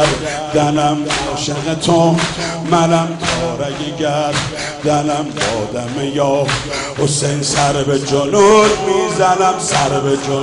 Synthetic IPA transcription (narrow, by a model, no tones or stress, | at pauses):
ɾ | d̪ænæmɔːʃeɣet̪ʰo | mænæmt̪ʰɔːɾæɡeɟæɾ | d̪ænæmbɒːd̪æmejɒː | hosejnsæɾbed͡ʒonud̪miːzænæmsæɾbed͡ʒo